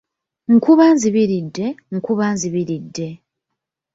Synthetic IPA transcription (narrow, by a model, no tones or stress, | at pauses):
ŋ̩kuβaːnziβiɾidːe̞ŋ̩kuβaːnziβiɾidːe̞